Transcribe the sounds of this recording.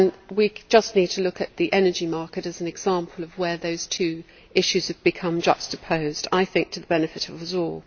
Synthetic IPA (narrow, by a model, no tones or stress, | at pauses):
ə̃nwid͡ʒʌsnid̚tʰəlʊkɨʔ̪̚ðiʔɛnəd͡ʒimɑɹkɨɾɨzn̩ɨɡz̥ɑ̃ˑmpʰəl̩ˠʌvwəðoʊz̥tʰʉ | ɪʃʉz̥ɨvbɨkʰʌ̃md͡ʒʌ̰stəpʰəʊzdaɪθɪ̃ŋk̚tʰəðəbɛnɨfɨɾʌvʌzɔlˠ